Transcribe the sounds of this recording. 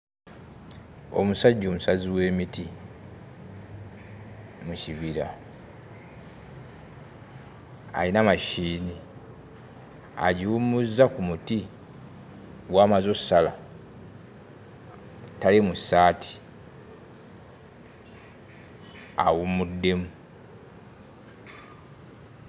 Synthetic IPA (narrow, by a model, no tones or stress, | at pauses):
o̞̰musaɟːo̞ːmusaziwe̞ːmiti | muciβiɾa | a̰linamaʃiːni | a̰ɟiumuzːakumuti | waːmazosːala | talimusaːtʰi̥ | a̰wumudːe̞mu